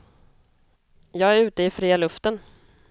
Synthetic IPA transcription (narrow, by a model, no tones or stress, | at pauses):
jɑːɡæɾʉ̟ːt̪əɪfɾiːalɵft̪ən